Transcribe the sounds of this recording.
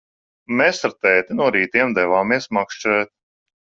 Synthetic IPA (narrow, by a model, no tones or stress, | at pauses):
meːsaɾt̪ɛːt̪inuɔɾiːt̪iɛmd̪ɛvaːmiɛsmakʃt͡ʃɾɛːt̪̚